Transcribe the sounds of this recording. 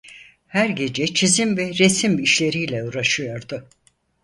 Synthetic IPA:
hæɾɟe̞d͡ʒɛt͡ʃʰizimvɛɾesimbːʃlʲe̞ɾijlʲɛuɾaʃɯjo̞ɾd̪ʊ

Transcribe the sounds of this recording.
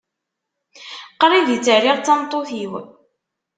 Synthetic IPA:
qɾˤiðit͡sːəɾiʁt͡sːɑmt̪ˤːoθiw

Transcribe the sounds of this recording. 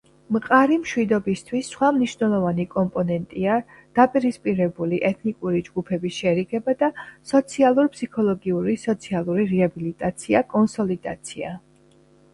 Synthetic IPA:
mqʼaɾimʃwid̪ɔbist̪ʰwisːχwamniʃnɛlˠɔvanikʼɔmpʼɔnɛnt̪ʼia | d̪̥apʼiɾispʼiɾɛbuliʔɛt̪ʰnikʼuɾid͡ʒɡupʰɛbisʃɛɾiɡɛbad̪asɔt̪sʰialˠuɾpʰsikʰɔlˠɔɡiuɾisɔt̪sʰialˠuɾiɾɛabilit̪ʼat̪sʰiakʼɔnsɔlid̪a̰t̪sʰia̰

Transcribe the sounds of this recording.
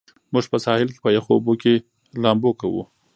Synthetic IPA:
muʒpəsɑhɪlke̥pəjoxoboke | lɑmbokawṵ

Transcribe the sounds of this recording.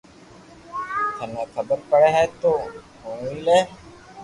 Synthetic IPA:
t̪ʰənẽːkʰəbəɾpəɽeːɦɛːt̪oːɦoːɳiːleː

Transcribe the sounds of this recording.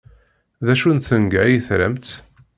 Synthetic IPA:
ðæʃunt̪θəŋɡæjəθɾæ̰mt̪

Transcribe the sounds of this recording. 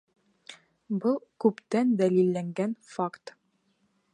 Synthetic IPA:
bɤlˠkʉpt̪ænd̪ælilːæŋɡænfakt̪

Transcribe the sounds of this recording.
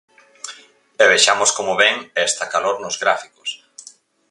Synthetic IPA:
ɛβeʃamoskomʊβɛŋɛst̪ɐkaloɾnʊzɣɾafikos

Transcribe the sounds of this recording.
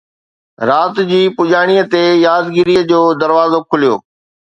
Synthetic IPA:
ɾaːt̪d͡ʑiːpʊʄaːɽ̃iət̪ejaːd̪ɡɪɾiəd͡ʑoːd̪ɐɾʋaːzokʰʊlijo̰ː

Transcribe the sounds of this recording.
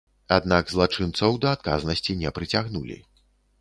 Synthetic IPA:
ad̪naɡzlˠat͡ʂɨnt̪sɐwd̪ɐːt̪̚kaznɐsʲt͡sʲinʲɛpɾɨt͡sʲaɣnulʲḭ

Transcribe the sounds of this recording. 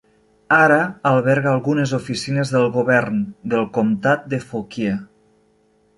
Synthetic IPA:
aɾaːlˠβɛɾɣaaːlˠɣunezufisinezðelˠɣoβɛɾnd̪elˠkomt̪at̪̚d̪efokie

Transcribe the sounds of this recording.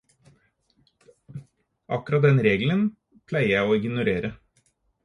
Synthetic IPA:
ʔɑkʉɾɑt̪̚d̪ɛnɾeːɡlən | pʰlæɪəjæɪoːɪɡnʊɾeːɾə

